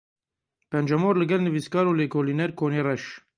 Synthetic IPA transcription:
pɛnd͡ʒɛmoːɾlɨɡɛlnɨviskɑːɾuːleːkʰoːliːnɛɾkʰoːneːrɛʃ

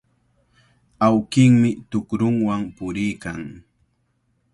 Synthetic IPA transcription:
awkɪŋmɪt̪ʊkɾʊŋwaŋpʊɾɪjkaŋ

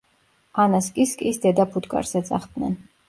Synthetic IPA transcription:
anaskʼiskʼisd̪ɛd̪apʰut̪kʼa̰ɾsɛt̪sʼa̰χd̪nɛ̰n

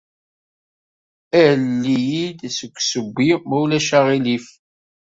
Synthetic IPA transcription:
ælːijid̪səkʷːsəbːimæwlæʃaʁilif

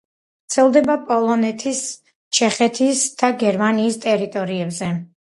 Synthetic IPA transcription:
ɣt̪sʰɛlˠd̪ɛbapʼɔlˠɔnɛt̪ʰis | t͡ʃʰɛχɛt̪ʰisd̪̥aɡɛɾmaniːst̪ʼɛɾit̪ʼɔɾiɛbzɛ

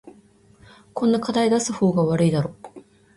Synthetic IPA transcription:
kõ̞nːakad̪aid̪asɨho̞ːɡaβaɾɯ̟id̪aɾo̞

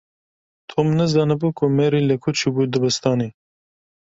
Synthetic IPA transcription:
t̪ʰomnɨzɑːnɨbuːkʰʊmeɾiːlɨkʰʊt͡ʃʰibuːd̪ɨbɨst̪ɑːniː

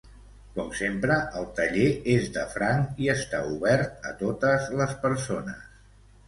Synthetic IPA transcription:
kɔmsempɾəʔəlˠt̪əʎeezd̪əfɾaŋiəst̪auβɛɾt̪̚ə̰t̪ot̪əzləspəɾsonə̰s

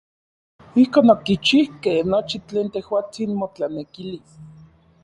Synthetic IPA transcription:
ihkoːnokit͡ʃihkehnot͡ʃit͡ɬeːnt̪ehwaːt͡sinmot͡ɬanekilis

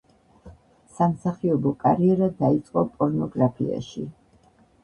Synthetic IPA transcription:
samsaχiɔbɔkʼaɾiɛɾad̪ait̪sʼqʼɔpʼɔɾnɔɡɾapʰḭa̰ʃi

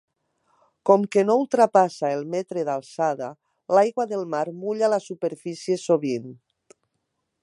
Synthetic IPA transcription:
kɔmkenoulˠt̪ɾapasaelˠmɛt̪ɾeðalˠsaða | lajɣwaðelˠmaɾmuʎalasupeɾfisiesoβin

